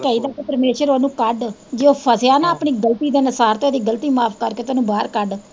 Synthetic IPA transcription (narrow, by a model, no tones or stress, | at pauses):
kɛːiːd̪aːkepəɾmeːʃəɾoːnũːkəɖd͡ʒeːoːpʰəsɪjaːnãːpɳiːɡəlt̪iːd̪eːnəsaːɾt̪ẽːd̪iːɡəlt̪iːmaːpʰkəɾkeːt̪oaːnũːbaːɾkəɖ